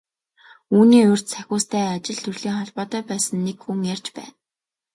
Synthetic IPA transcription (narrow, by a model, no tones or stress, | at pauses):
uːniːʊr̥t̪sʰæxʲʊːst̪ʰæːat͡ɕɪ̆ɮt̪ʰɵrɮiːŋχɔɮpɔːt̪œːpæːsə̆nːekxuŋjar̥ʲt͡ɕpæ̰ːn